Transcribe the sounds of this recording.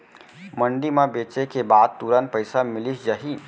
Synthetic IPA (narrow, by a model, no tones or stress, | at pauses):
məɳɖimebet͡ʃekebad̪̚t̪uɾən̚pəɪsamɪlisd͡ʒəɦi